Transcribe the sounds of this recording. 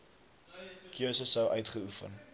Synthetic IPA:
kiəsəsəwʔœɥtχəufə̰n

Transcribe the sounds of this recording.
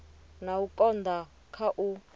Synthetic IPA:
naukʼɔnd̪ʱa | kʰaʔu

